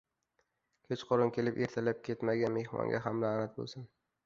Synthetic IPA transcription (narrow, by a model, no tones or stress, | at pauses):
kʲʰet͡ʃqʰoɾɪnkʲʰe̞lɪpe̞ɾt̪ʰalap̚kʲʰet̪maɡʲanme̞hmɒ̰ŋɡʲaɦamlaːnat̪̚bo̰lˠsɪn